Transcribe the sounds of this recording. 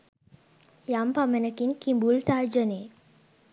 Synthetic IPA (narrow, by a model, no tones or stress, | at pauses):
jampamənəkiŋkimbult̪aːd͡ʒəneː